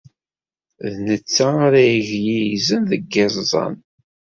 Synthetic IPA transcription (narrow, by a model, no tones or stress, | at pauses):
ðnət͡sːaoɾæjʝjijizənðəɡɪzˤzˤɑ̰n